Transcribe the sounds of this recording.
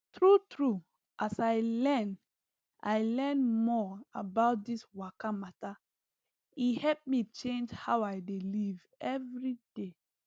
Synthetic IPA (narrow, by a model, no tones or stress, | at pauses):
tʰɹutʰɹu | ʔasaɪlɛ̃n | ʔaɪlɛ̃nmɔabaʊt̚d̪iswakamata | ihɛlp̚mit͡ʃẽnd͡ʒhawaɪdeliv | ɛvɹid̥e